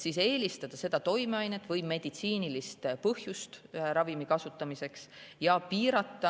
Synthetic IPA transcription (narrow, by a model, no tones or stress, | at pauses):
siːse̞ːlist̪ɑd̪̥ɑse̞d̪̥ɑt̪o̞jmeɑjnet̪ːˑvɤjme̞d̪̥it̪siːnilist̪pɤhjust̪ɾɑvimikɑsut̪ːˑɑmise̞ksjɑpiːɾɑt̪ˑːɑ